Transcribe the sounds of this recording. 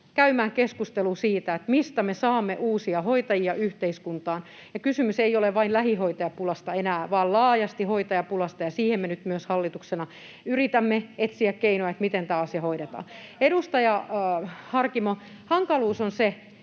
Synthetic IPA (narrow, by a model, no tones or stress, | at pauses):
kæymæːkeskust̪elusiːt̪æet̪mist̪æmesɑːmːeʔuːsiɑhoit̪ɑjiɑʔyht̪eiskunt̪ɑːn | jɑkysymyseijoleʋʋɑinlæhihoit̪ɑjɑpulɑst̪ɑenæːʋɑːllɑːjɑst̪ihoit̪ɑjɑpulɑst̪ɑjɑsiːhemːenyt̪myøshɑlːit̪uksenɑ | yrit̪æmːeet̪siækkeinoɑet̪mit̪ent̪æːɑsjɑhoiɾet̪ɑ̰ːnedust̪ɑjɑ | hɑrkimo | hɑŋkɑluːsonse